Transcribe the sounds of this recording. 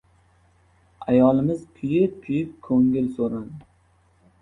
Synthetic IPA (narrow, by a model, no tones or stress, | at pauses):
ajɒlˠɪmɪzkʲʰʊjɪp̚kʲʰʊjɪp̚kʰɵŋɡʲɪlsoɾan